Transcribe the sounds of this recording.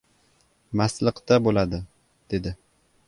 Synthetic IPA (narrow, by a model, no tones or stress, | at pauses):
maslɨqt̪abolad̪ɪ | d̪̥e̞d̪ɪ